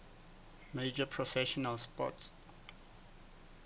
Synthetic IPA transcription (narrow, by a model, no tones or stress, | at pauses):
med͡ʒəpʰɹɔfɛʃɔnalspɔ̰ts